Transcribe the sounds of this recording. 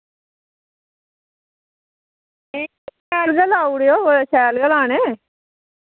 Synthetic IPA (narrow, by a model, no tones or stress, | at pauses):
e | ɛːlɡəlaːuɽjoːsɛːlɡəlaːneː